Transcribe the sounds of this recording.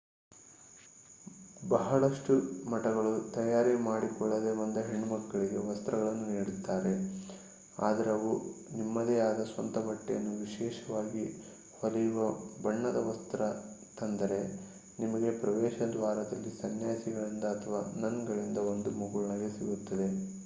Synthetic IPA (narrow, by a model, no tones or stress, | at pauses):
bɐɦɐɭɐʂʈumɐʈɐɡɐɭut̪ɐjaːɾimaːɽikɔɭːɐd̪emɐnd̪ɐɦeɳːumɐkːɐɭiɡe̞ʋɐst̪ɾɐɣɐɭɐnːuniːɽut̪ːaːɾe̞ | a̰ːd̪ɐɾeɐʋunimːɐd̪eaːd̪ɐsʋɐnt̪ɐbɐʈːɛjɐnːuʋiʃɛːʃɐʋaːɡi | hɐlɐjuʋɐbɐɳːɐd̪ɐʋɐst̪ɾɐt̪ɐnd̪ɐɾe̞ | nimɐɡe̞pɾɐʋɛːʃɐd̪ʋaːɾɐd̪ɐlːisɐnjaːsiɡɐɭind̪ɐːt̪ʰɐʋaːnɐŋɡɐɭind̪ɐo̞nd̪umuɡuɭɐɳɐɡe̞siɡut̪ːɐd̪e̞